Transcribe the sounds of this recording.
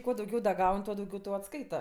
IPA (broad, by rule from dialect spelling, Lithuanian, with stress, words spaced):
ˈkuɔ dɐʊˈɡʲɛʊ ˈɡɐʊnʲ ˈtuɔ dɐʊˈɡʲɛʊ ˈtɐʊ ɐtˈskɐɪtɐ